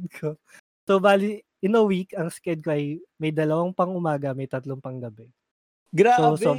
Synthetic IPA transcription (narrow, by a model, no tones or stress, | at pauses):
kʰo | sobaːli | ɪnɐwikɐŋskɛd̪̚koʔɐjmɐjd̪ɐlɐwaŋpɐŋʔʊmaːɡɐmɐjt̪ɐt̪loŋpɐŋɡɐbɛ | ɡɾasoso